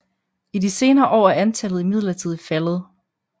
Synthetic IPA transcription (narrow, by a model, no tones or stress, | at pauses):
idise̝ːnɐːʔɒ̰ːæænt͡sʰælð̩ˠimið̞̰ˠlɐt͡sʰið̞̰ˠfælð̞̩ˠ